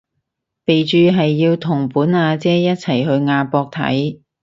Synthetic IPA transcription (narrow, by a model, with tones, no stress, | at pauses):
pe˨jt͡ʃyː˨˧ɦɐ˨jːiː˧wt̪ʰʊ˨˩ŋpuː˨˥naː˧t͡sɛː˥jɐ˥t̚t͡sʰɐ˨˩jhɵ˧ɥŋaː˧pɔː˧k̚t̪ʰɐ̰˨˥j